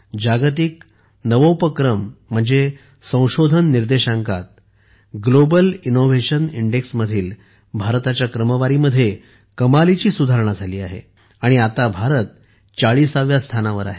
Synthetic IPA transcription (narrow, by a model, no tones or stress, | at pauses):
d͡ʑaɡt̪̬ik | nəʋəwpəkɾəm̤ːəɳd͡ze | sə̃w̃ɕod̪ʱənːiɾd̪eɕaŋka̰t̪̚ | ɡlobəlinoʋ̤eɕəniɳɖeksməd̪ʱiːl | bʱaɾt̪at͡ɕjakɾəməʋaɾiməd̪ʱːje | kəmalit͡ɕiːsud̪ʱaɾɳad͡zʱaliːaɦḛ | aɽ̃iat̪abʱaɾət̪̚ | t͡saɭiːsaʋjast̪ʰanaʋəɾa̰ɦe